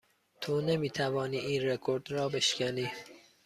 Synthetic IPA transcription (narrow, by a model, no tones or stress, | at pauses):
t̪ʰonemiːt̪ʰævɒːniːʔiːnrekʰo̞ɾd̪ɾɒːbe̞ʃcʲæniː